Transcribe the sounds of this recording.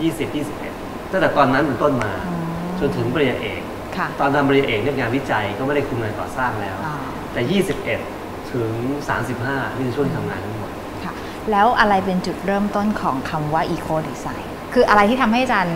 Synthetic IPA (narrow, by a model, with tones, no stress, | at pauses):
jiː˥˩si˨˩p̚jiː˥˩si˨˩p̚ʔḛ˨˩t̪̚ʰa˥˩ŋt̪ːt̪ɔː˧nːa˦˥npeː˨˩nt̪o˥˩nmaː˧ɯ˧ | t͡ɕo˧nt̪ʰɯ˩˦ŋbɔː˧ɾi˧ja˧ʔeː˨˩k̚ | kʰa˥˩t̪ɔː˧nt̪ʰa˧mbɔ˧ɾi˧ja˧ʔeː˨˩k̚jo˦˥k̚ŋaː˧nwi˦˥t͡ɕa˧jkɔː˥˩m˥˩da˥˩kʰu˧nŋaː˧nt̪ɔ̰ː˨˩saː˥˩ŋlɛː˦˥wʔɔ˧˩ | t̪ɛː˨˩jiː˥˩si˨˩p̚ʔe˨˩t̪̚ʰ | ɯ˩˦ŋsa̰ː˩˦msi˨˩p̚haː˥˩mi˥˧˩t͡ɕʰu˥˩t̪ʰiː˥˩a˧ŋaː˧nt̪ʰa˦˥ŋmo˨˩t̪̚ | kʰa˥˩ | lɛː˦˥wʔa˧ɾa˧jpe˧nt͡ɕu˨˩t̪̚ɾɤː˥˩mt̪o˥˩nkʰɔː˩˦ŋkʰa˧mwaː˥˩ʔiː˧kʰoː˧diː˧sa˨˦˥j | kʰɯː˧ʔa˧ɾa˧jt̪ʰiː˥˩a˧mɦa˥˩jʔa˨˩t͡ɕaː˧n